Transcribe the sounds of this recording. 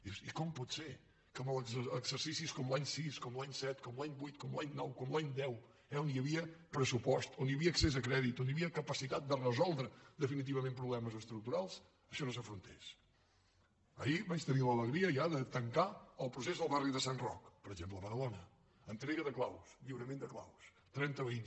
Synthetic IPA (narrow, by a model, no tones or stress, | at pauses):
iwsikɔmpɔt̪seɾ | kəməlˠəɡz̥əɾsisiskɔmlˠaɲsiskɔmlˠaɲsɛt̪kɔmlaɲbujt̪̚kɔmlaɲnɔwkɔmlaɲd̪ɛw | ɛoniəβiəpɾəsupɔst̪oniəβiəːksezəkɾɛðit̪oniəβiəkəpəsit̪at̪̚d̪ərəzɔlˠd̪ɾəd̪əfinit̪iβəmẽmpɾuβlɛməzəst̪ɾuk̚t̪uɾalˠs | əʃɔnosəfɾunt̪ḛs | ə̰iβat͡ʃt̪ənilələɣɾiəʒaðət̪əŋkaəlˠpɾus̬ezðəlˠβariðəsanrɔ̰kpəɾəʒempləβəðəlɔnə | ənt̪ɾɛɣəðəklawsʎiwɾəmend̪əkla̰ws | t̪ɾɛnt̪əβiɲ